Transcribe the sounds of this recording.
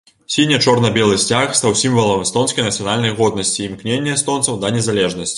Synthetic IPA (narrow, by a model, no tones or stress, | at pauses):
sʲinʲːɛt͡ʂɔrnɐbʲɛlˠɨsʲt͡sʲaxst̪awsʲimvɐlˠɐmst̪ɔnskɐjnɐt̪sɨjanalʲnɐjɣɔd̪nɐsʲt͡sʲiːmknʲenʲːɛst̪ɔnt̪sɐwd̪ɐnʲɛzalʲɛʐnɐsʲt͡sʲ